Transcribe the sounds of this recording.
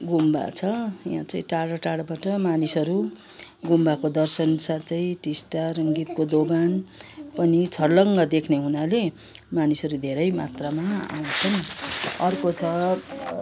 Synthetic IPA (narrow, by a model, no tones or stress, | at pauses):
ɡumba̰t͡sʰʌjã̰t͡sʌĩʈaɽʌʈaɽbaʈʌmanisʌɾu | ɡumbakod̪ʌrsʌnsat̪ʰʌjʈisʈaɾʌŋɡit̪kod̪oɡanpʌnit͡sʰʌrlʌŋɡʌd̪ekʰneɦunale | manisʌɾud̪ʱeɾʌjmat̪ramaa̰wnt͡sʰʌnʌrkot͡sʰʌ